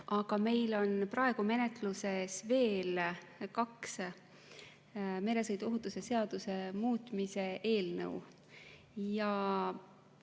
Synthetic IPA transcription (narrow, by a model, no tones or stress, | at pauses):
ʔɑɡ̥ɑme̞jlo̞nprɑe̞ɡ̥ume̞ne̞t̪ˑluse̞sve̞ːlkɑks | me̞le̞sɤjd̪̥uoɦut̪ːˑuse̞se̞ɑd̪̥use̞muːt̪ˑmise̞ʔe̞ːlnɤ̰w | jɑ